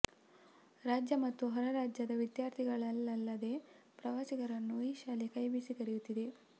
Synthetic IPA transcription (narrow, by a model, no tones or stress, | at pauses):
ɾaːd͡ʒjɐmɐt̪ːuɦɔɾɐɾaːd͡ʒjɐd̪ɐʋid̪jaːɾt̪ʰiɡɐɭɐlːɐlːɐd̪e̞pɾɐʋaːsiɡɐɾɐnːuiːʃaːlekɐjbisikɐɾijut̪ːid̪e̞